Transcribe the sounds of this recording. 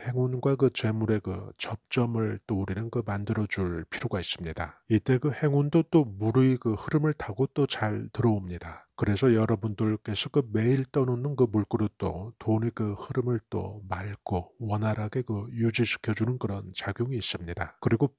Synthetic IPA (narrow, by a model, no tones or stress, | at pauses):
he̞ŋunɡwakɯt͡ɕe̞muɾe̞kɯ̰t͡ɕʌp̚t͡ɕ͈ʌmɯɭt͈ouɾinɯnkɯmandɯɾʌd͡ʑuɭpʰiɾjoɡais͈ɯmɲidait͈e̞kɯhe̞ŋundot͈omuɾɯikɯhɯɾɯmɯɭtʰaɡot͈ot͡ɕaɭtɯɾʌomɲidakɯɾe̞sʰʌjʌɾʌbundɯɭk͈e̞sʰʌkɯme̞iɭt͈ʌnonɯnkɯmuɭk͈ɯɾɯt͈o̰tonikɯhɯɾɯmɯɭt͈o̰maɭɡowʌnaɾɦaɡe̞kɯjud͡ʑiɕʰi̥kʰjʌd͡ʑunɯnkɯɾʌnt͡ɕaɡjoŋiːs͈ɯmɲidakɯɾiɡo